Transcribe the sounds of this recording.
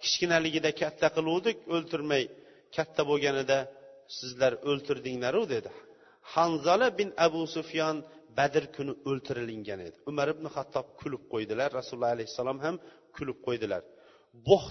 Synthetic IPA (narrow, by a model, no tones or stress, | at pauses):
kʲʰɪ̥ʃkʲɪnalɪɡʲɪd̪akʲʰat̪ʰːaqʰɨlˠuwd̪ɪkʲɵlt̪ʰɪɾmaj | kʲʰat̪ʰːaboɡʲanɪd̪asɪzlaɾɵlt̪ʰɪɾd̪ɪŋlaɾɪwd̪e̞d̪ɪ | hɑnzɑlˠabɪnabʊsʊfjɒnbæd̪ɪɾkʰʊnɪɵlt̪ʰɪɾɪlɪŋɡʲane̞d̪ɪʊmaɾɪbnɪχat̪ʰːɒb̚kʲʰʊlɪp̚qʰojd̪ɪlaɾːasulˠːɑalajhɪ̥sːalˠɒmham | kʲʰʊlɪp̚qʰojd̪ɪla̰ɾ | boχ